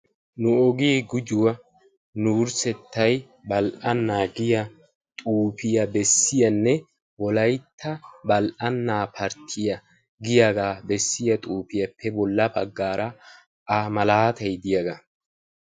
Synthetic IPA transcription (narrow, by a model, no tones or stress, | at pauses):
nʊɔɡiːɡʊd͡ʒʊwɐ | nuːɾsɛt̪ʰːɐj | bɐlʔɐnːaːɡɪjɐ | t̪ʼuːpɪjɐbɛsːɪjɐnːɛ | wɔlɐjt̪ʰːɐbɐlʔɐnːaːpʰɐɾt̪ʰɪjɐ | ɡɪjaɡaːbɛsːɪjɐt̪ʼuːpɪjɐpʰːɛbɔlːɐbɐɡːaːɾɐ | ʔɐmɐlaːt̪ɐjd̪ɪjɐɡɐ